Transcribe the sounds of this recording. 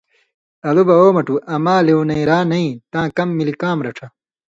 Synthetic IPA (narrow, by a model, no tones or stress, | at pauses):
ɐlubɐoːmɐʈuʔɐmaːlewnɐiɾaːnɐĩt̪ãːkɐmːilikãːmɾɐʈ͡ʂʰɐ